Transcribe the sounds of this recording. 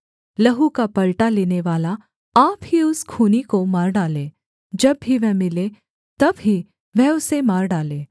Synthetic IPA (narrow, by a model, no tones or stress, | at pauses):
lɐɦukapɐlʈaleːneʋaːla | aːpɦiʊskʰuːnikomaːɾɖaːlẽː | d͡ʒɐbːiʋɛɦmɪle | t̪ɐbɦi | ʋɛɦʊsemaːɾɖaːlẽː